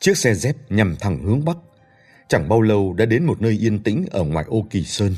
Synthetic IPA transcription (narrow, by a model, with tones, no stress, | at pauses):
t͡ɕɨ˦˥ək̚sɛ˧zɛ˦˥p̚ɲa˨˩mt̪ʰa˨˧˩ŋhɨ˨˦əŋɓa˦˥k̚ | t͡ɕa˧˩ŋɓaː˧wlə˧˩wɗa̰ː˧˥ɗe˨˦nmo˨˩t̚nəː˧jʔi˧ənt̪ḭ̈˧˥ŋ̟ʔəː˧˩ŋwa̰ː˨˩jʔo˧ki˨˩səː˧n